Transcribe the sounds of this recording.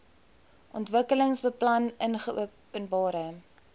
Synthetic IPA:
ʔɔntvəkələŋsbəplɐnənχəṵ | ənbɑːɾə

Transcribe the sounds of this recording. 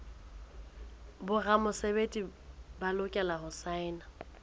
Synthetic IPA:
bʊramʊsebetʼibalʊkʼɛlaɦʊsaɪna

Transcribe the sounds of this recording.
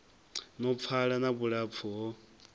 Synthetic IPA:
nɔp̪fʰaɺanaβuɺap̪fʰuɦɔ

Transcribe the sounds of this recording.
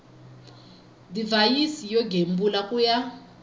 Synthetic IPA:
divajisijɔɡʱembulakuja

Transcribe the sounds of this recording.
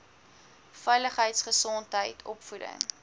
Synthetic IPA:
fɛjləχɦəjtsχəsɔntɦəjtʰɔpfudə̰ŋ

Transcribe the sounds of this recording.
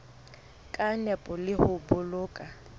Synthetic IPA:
kʼanɛpʼɔlɪhʊbʊlʊːkʼa

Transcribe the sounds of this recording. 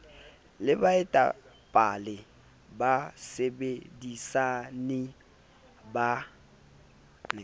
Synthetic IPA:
lɪbaɛtʼa̰ | pʼalɪ | basɛbedisanɪ | ba

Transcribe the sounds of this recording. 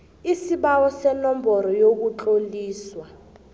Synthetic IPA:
isiɓawɔsɛnɔmbʱɔɾɔjok̬uǃoliːswa

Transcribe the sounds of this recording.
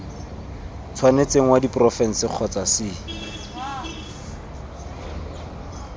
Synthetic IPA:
t͡sʰwanet͡seŋ̩wadiprɔfɛn̩sɪq͡χʰɔt͡sasɪ

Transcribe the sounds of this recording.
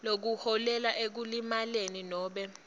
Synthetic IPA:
lok̬uhɔlɛlaʔek̬ulimaleninɔːɓɛ

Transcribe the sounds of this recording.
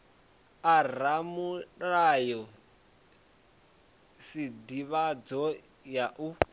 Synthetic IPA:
aramurajɔ | sidiβad͡zɔ | jaʔu

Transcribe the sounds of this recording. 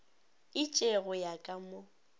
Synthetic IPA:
ɪt͡ʃʼeɣʊjakʼamo

